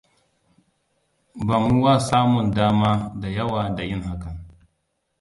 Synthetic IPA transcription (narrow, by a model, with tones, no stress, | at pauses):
ba˨mu˦wa˦˨saː˦mʊ˨ndaː˦maː˦da˨jɐ˦waː˨da˨jɪ˦ŋha˦kɐ˨n